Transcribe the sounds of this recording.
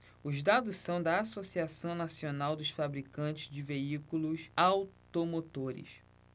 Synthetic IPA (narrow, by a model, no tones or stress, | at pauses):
ʊzd̪ad̪ʊssɐ̃w̃d̪ɐasosiasɐ̃w̃nasionawd̪ʊsfabɾikɐ̃nt͡ʃɪ̥zd͡ʒɪveikulʊsawt̪omot̪oɾɪ̰s